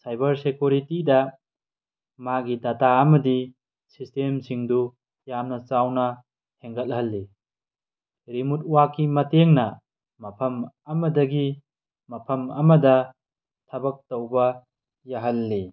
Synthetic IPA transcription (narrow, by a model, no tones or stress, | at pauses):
sajbɐɾsekjuɾitidɐ | maɡidataɐmɐdi | sistemsiŋdu | jamnɐt͡ʃawnɐ | tʰeŋɡɐt̚hɐlːi | ɾimut̚uwakːimɐteŋnɐ | mɐpʰɐm | ɐmɐdɐɡi | mɐpʰɐmɐmɐdɐ | tʰɐbɐk̚towbɐ | jaɦɐlːi